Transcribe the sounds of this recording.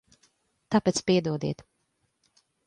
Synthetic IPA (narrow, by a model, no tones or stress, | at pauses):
t̪apɛt̪spiɛd̪uɔd̪iɛt̪